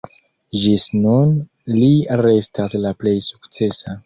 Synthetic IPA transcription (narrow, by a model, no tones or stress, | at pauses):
ʒisnun | liɾe̞staslaple̞jsu̥kt͡se̞sa